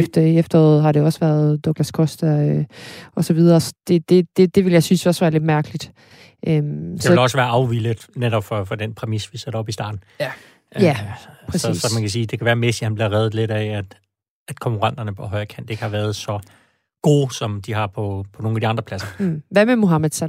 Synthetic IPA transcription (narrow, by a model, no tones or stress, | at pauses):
fd̥ɐiefd̥ɐɔð̩ˠɦɑ̈ɾe̝ɒ̽sʋæɐðˠd̥ɒɡ̥læskʰɔsd̥ɐøɒ̽sɒʋið̞ˠɐsɒ̥d̥e̝d̥e̝d̥e̝d̥e̝ʋe̝ljɑ̈ɪsynsɒ̽sʋæːɐle̝d̥mæɐɡ̥əlid̥ | ʔømseɒelɒ̽səʋæːɐɑ̈ʊʋilə̥neɾɒb̥fɒ̽fɒ̽d̥enpʰʁɛmisʋised̥ɐɒ̽b̥isd̥ɑ̰̈ːd̥n̩ | æpʰʁssɒ̽mænkʰæs̬iːd̥e̝kʰæʋæːɐmesihænb̥liɐʁɛːð̩ˠle̝d̥ææd̥ | æd̥kʰɒ̽ŋkʰuʁɑ̈n̰d̥ɐnəpʰɒ̽ɦɒ̽ɪɐkʰæn̰d̥e̝ɡ̥əhɑ̈ʋæːɐðˠsɒ̽ | ɡ̥o̝ːsɒ̽md̥iɦɑ̈pʰɒ̽pʰɒno̝ːŋnæd̥iɑ̈nd̥ʁɐpʰl̥æsɐʋæmemoɦɑmæð̥ˠsæ